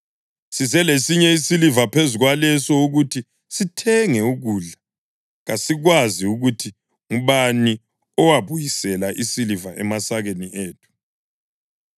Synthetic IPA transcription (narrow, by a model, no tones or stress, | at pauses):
sizɛlesiɲɛisilivapʰezuɣwalɛsɔuɣutʰi | sitʰɛŋɛuɣuːɮa | ɣasiɣwaziuɣutʰi | ŋuβani | ɔwaβujisɛlaʔisilivaʔɛmasaɣeniʔeːtʰu̥